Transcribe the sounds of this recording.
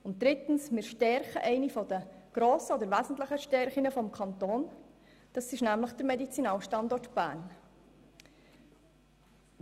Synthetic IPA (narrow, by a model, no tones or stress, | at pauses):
ʊnt̚d̥̪ɾɪt̪ən̩smɪːɾʃtɛɾχəʔɛɪnifɔd̥əɡ̥ɾoːsəɔdəɾʋæzn̩t̪ləχəʃtɛɾχinəfɔmkʰɑnt̪oːn | d̥ɑsɪʃnæmləχd̥əɾmɛdit͡sinɑːlʃtɑndɔrtb̥æ̰ːn